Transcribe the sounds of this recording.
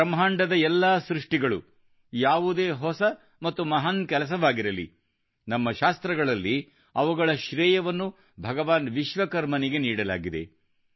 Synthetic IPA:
ɐmɦaːɳɖɐd̪ɐɛlːɐsɾuʂʈiɡɐɭu | jaːʋud̪eːɦɔsɐ | mɐt̪ːumɐɦaːnkɛlɐs̬ɐʋaːɡiɾɐlḭ | nɐmːɐʃaːst̪ɾɐɡɐɭɐlːi | ɐʋuɡɐɭɐʃɾɛːjɐʋɐnːu | bʱɐɡɐʋaːnʋiʃʋɐkɐɾmɐniɡe̞niːɽɐla̰ːɡid̪e̞̰

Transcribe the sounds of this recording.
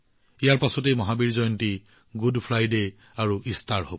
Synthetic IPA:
ijaɹpasɔtejmɔɦabiɹzɔjɔnti | ɡudpʰɹajde | aɹuʔistaɹɦob

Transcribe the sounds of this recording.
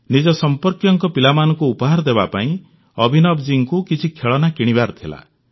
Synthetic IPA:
nid͡ʒɔsɔmpɔɾkjɔŋkɔpilamanɔŋkuːpɔɦaɾɔd̪ebapaĩ | ɔbʱinɔbd͡ʒiŋkukit͡ʃʰikʰeɭɔnakiɽ̃ibaɾt̪ʰila̰

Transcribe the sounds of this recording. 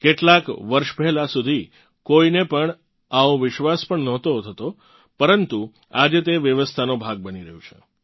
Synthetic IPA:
keʈlakʋəɾʃpɛɦɛlasud̪ʱi | koinepəɳ | aõʋɪʃʋaspəɳnɔt̪ot̪ʰɦət̪o | pəɾənt̪u | ad͡ʒet̪̬eʋjəʋəst̪ʰanobʱaɡ̚bəniɾəɦjũt͡ʃʰḛ

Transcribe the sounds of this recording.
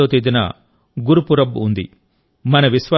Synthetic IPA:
oːt̪iːd̪inɐ̰ | ɡuɾupuɾɐbund̪ḭ | mɐnɐʋisʋɐ

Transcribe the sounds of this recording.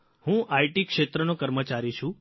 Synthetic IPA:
hũʔajʈikʃet̪ɾənokəɾmət͡ʃaɾiʃʰũ

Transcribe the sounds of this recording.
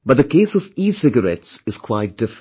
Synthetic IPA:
bʌt̚d̪əkeːsɔviːsɪɡəɾɛtsɨz̥kʰwaɪt̚d̥ɪf

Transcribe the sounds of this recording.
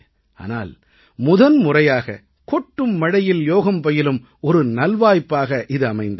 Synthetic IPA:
ʔa̰ːna̰ːl | mʊðɐnmʊrɐjaːɣɐ̰ | kɔʈːɯmːɐɽɐjɪljoːɣɐmpɔjɪlɯm | ɔɾɯnɐlʋaːjpːaːɣɐʔɪðɯɐmɐɪnd̪ɐ

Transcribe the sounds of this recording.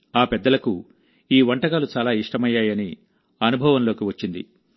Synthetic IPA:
aːpɛd̪ːɐlɐku | iːʋɐɳʈɐɡaːlut͡ʃaːlaːiʂʈɐmɐjːaːjɐni | ɐnubʱɐʋɐnlo̞ːkiʋɐt͡ʃːind̪ḭ

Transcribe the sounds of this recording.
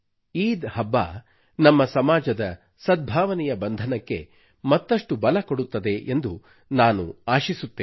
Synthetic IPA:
iːd̪hɐbːa̰ː | nɐmːɐsɐmaːd͡ʒɐd̪ɐ | sɐd̪̚bʱaːʋɐnɛjɐbɐnd̪ʱɐnɐkːe̞̰ | mɐt̪ːɐʂʈubɐlɐkoɽut̪ːɐd̪e̞ʔend̪u | naːnṵaːʃisut̪ːeː

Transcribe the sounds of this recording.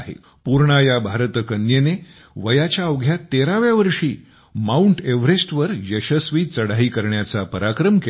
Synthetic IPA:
ɦḛ | puɾɳajabʱaɾət̪kənjene | ʋəjat͡ɕjaəʋɡʱjat̪eɾaʋjaʋəɾʂiː | mauɳʈeʋɾesʈʋəɾjəɕəsʋiːt͡səɽ̤aɦiːkəɾɳjat͡sapəɾakɾəmke

